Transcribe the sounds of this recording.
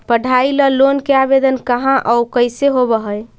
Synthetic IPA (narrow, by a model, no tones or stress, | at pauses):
pəɽʱailəlonkeabed̪ənkəɦãʔəwkəjseɦobəɦəj